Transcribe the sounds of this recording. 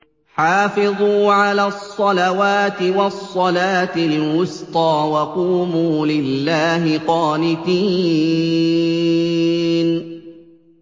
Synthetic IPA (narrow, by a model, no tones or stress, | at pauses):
ħaːfɪðˤuːʕalaːsˤːɑlawaːt̪ɪwɑsˤːɑlaːt̪ɪlwʊst̪ˤɑːwɑquːmuːlɪlːaːɦɪqɑːnɪt̪iː | n